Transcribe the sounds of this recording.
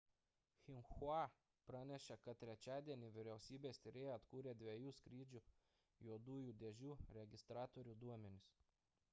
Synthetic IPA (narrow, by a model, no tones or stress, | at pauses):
xʲɪnxuɑ | pɾɑnʲɛʃʲɛkɐt̪̚tːʲɾʲɛt͡ʃʲæːd̪ʲiɛnʲɪʋʲɪɾʲɛʊsʲiːbʲeːsʲt̪ʲɪɾʲeːjɛɐt̪kuːɾʲeːd̪ʲʋʲiɛjuːskɾʲiːd͡ʒʲuː | juɔd̪uːjuːd̪ʲɛʒʲuːɾʲɛɡʲɪst̪ɾɑːt̪ɔɾʲuːd̪uɔmʲɛnʲɪs